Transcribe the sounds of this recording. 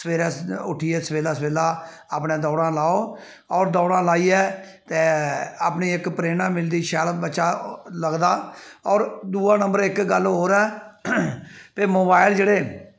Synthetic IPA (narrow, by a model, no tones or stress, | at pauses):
səʋeːɾɛːsʊʈʰiːɛːsəʋeːlaːsəʋeːlaː | aːpnẽːd̪ɔːɽãːlaːoː | ɔːɾd̪ɔːɽãːlaːiːɛː | t̪eːaːpniːɪkpɾeːnãːmɪld̪iːʃɛːlbəːʃaːləɡd̪aːɔːɾd̪uːaːnəmbəɾɪkɡəlɦoːɾɛː | p̪eːmoːbaːɪld͡ʒeːɽeː